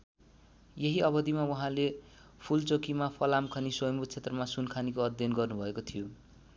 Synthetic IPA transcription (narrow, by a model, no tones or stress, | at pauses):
jeɦiʌβʌd̪imawʌɦãle | pʰult͡sokimapʰʌlamkʰʌniswʌjʌmbut̪̚t͡sʰet̪rʌmasunkʰanikoʌd̪jʌnɡʌrnubʱʌekot̪ʰijo